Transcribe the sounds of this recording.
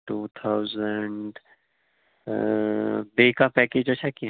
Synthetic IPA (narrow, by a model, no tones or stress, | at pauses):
ʈuːt̪ʰawzəɳɖ | beːkapɛkeːd͡ʒot͡ʃʰaki